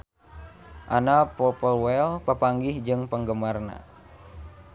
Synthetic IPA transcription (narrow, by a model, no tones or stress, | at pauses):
ʔanapɔpəlwɛlpəpaŋɡihd͡ʒɨŋpəŋɡəmarna̰